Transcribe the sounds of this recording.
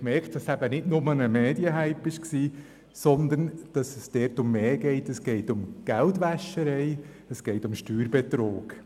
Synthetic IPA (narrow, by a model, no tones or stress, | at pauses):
mɛɾktd̥ɑsæbənɪdnʊmənəmɛːdiəɦæɪpɪʃksiː | sɔnd̪ənd̥ɑsəsd̥ɛɾtʊmːeːɡɛɪtəsɡ̥ɛɪtʊmɡ̥æltʋæʃəɾɛɪ | əsɡ̥ɛɪtʊmʃtyːɾbɛt̪ɾo̰ːɡ̥